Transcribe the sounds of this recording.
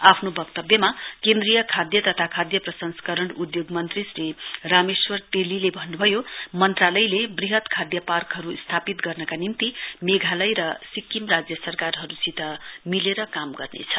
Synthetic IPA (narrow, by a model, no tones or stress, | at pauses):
apʰnobʌkt̪ʌbjʌmakend̪rijʌkʰad̪jʌt̪ʌt̪ʰakʰad̪jʌprʌsʌnskʌɾʌɳud̪joɡmʌnt̪risrirameswʌrt̪elilebʱʌnːubʱʌjomʌnt̪ralʌjlebriɦʌt̪kʰad̪jʌparkɦʌɾust̪ʰapit̪ɡʌrnʌkanimt̪imeɡʱalʌjɾʌsikːimrad͡zjʌsʌrkarɦʌɾusit̪ʌmileɾʌkamɡʌrnḛt͡sʰʌ̥